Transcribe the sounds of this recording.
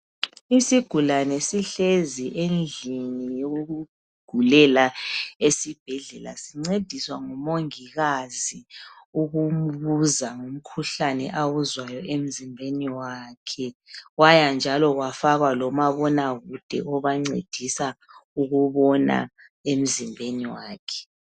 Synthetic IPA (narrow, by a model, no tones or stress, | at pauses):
isiɡ̥ʱulanesiɬeziʔend͡ɮʱinijouɣu̥ | ɡ̥ʱulɛlaesib̥ʱɛɮɛla̰siŋ͡ǀed̥ʱiswaŋumoŋiɣaziuɣum̩βuzaŋum̩kʰuɬanɛ̰ʔawuzwajɔʔem̩zimbʱeniwaːkʰɛwajand͡ʒʱalɔɣwafaɣalɔmaβɔnaɣud̥ʱɛ̰ʔɔβaŋ͡ǀed̥ʱisauɣuβɔna̰ | em̩zimbʱeniwaːkʰɛ̥